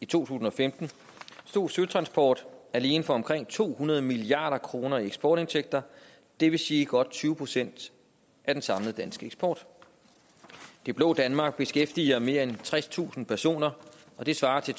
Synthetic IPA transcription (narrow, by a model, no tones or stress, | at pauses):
it͡sʰo̝̰ːt͡sʰṵːs̬n̩ɒ̽femd̥n̩ | sd̥o̝ɐ̰syðˠt͡sʰʁɑ̈nsb̥ʰɒ̰ːd̥æle̝ːnəfɒ̽ɒ̽mkʰʁeŋ̰t͡sʰo̝̰ːhunɐð̞ˠəmiliɑ̰̈ːɾ̥ɐkʰʁo̝ːnɐieɡ̥sb̥ɒːɾ̥e̝nsʰeɡ̥̚d̥ɐ | d̥e̝ʋe̝siːiɡ̥ɒ̽d̥̚t͡sʰyːʊəpʰʁosen̰d̥ | ʔæd̥ensɑ̈ml̩ˠd̥ænsɡ̥əeɡ̥sb̥ɒ̰ːd̥ | d̥e̝b̥lo̝̽ːd̥ænmɑ̈ːɡ̥̚b̥e̝sɡ̥efd̥iɐme̝ːɐent͡sʰʁast͡sʰṵːsn̩pʰæɐso̝̰ːnɐ | ʔɒ̽d̥e̝sʋɑ̈ːt͡sʰe̝